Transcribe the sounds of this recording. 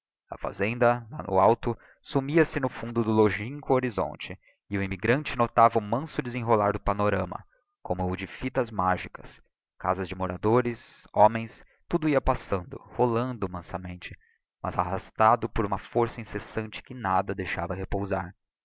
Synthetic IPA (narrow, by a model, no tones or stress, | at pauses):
ɐ̰fa̰zẽnd̪ɐnɐnʊ̰awt̪ʊ | sumiɐsɪnʊfũnd̪ʊd̪ʊloʒĩŋkʊoɾizõ̰nt͡ʃɪ | ɪʊimiɡɾɐ̃nt͡ʃɪnot̪avɐʊmɐ̃sʊdɪzẽɦolaɾd̪ʊpanoɾɐ̃mɐ̰ | kõmʊːd͡ʒɪfit̪ɐzmaʒikɐ̥s | ka̰zɐzd͡ʒɪmoɾad̪oɾɪsõmẽj̃s | t̪ud̪ʊiɐpasɐ̃nd̪ʊ̰holɐ̃nd̪ʊmɐ̃sɐmẽnt͡ʃɪ | mɐ̰zaɦast̪ad̪ʊpoɾũmɐfoɾsɐĩsesɐ̃nt͡ʃɪ̥kɪnad̪ɐd̪ejʃavɐhepowza̰ɾ